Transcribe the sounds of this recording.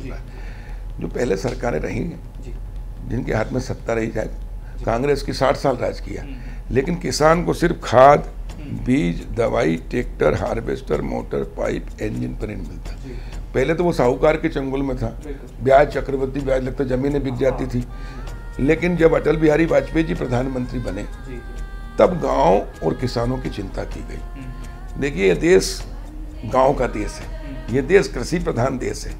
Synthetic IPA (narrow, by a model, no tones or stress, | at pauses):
aɛ | d͡ʒo̰ːpɛɦlesɐɾkaːɾḛ̃ɾɐ̰ɦḭ̃ɛ̃ | d͡ʒɪnkḛɦaːt̪ʰmẽsɐp̚t̪aɾɐɦid͡ʒaːḛ | kãːŋɡɾeːskisaːʈʰsaːlɾa̰ːd͡ʒkija̰ | leːkɪnkɪsaːnkosɪɾfkʰaːd̪ | biːd͡ʒd̪ɐʋaːiʈeːk̚ʈəɾɦa̰ːɾʋḛːsʈə̰ɾmo̰ːʈə̰ɾpa̰ːɪpẽːnd͡ʒənpɐɾinmɪ̰lt̪aɦɛpɛɦlet̪oʋosaːukaːɾket͡ʃɐ̃ŋɡʊlmẽt̪ʰaː | bjaːd͡ʒt͡ʃɐkɾəʋət̪ːibjaːd͡ʒlɐɡ̚t̪ad͡ʒɐmĩːnẽbɪk̚d͡ʒaːt̪it̪ʰi | leːkɪnd͡ʒɐbɐʈəlbɪɦaːɾibaːt͡ʃped͡ʒipɾɐd̪ʱaːnmə̃nt̪ɾibɐnẽ | t̪ɐbɡãːõɔːɾkɪsaːnõkit͡ʃɪ̃nt̪a̰kiɡɐḭː | d̪eːkʰiẽjed̪eːs | ɡãːõkad̪eːsɦɛː | jed̪eːskɾɪsipɾɐd̪ʱaːnd̪ḛːsɦɛː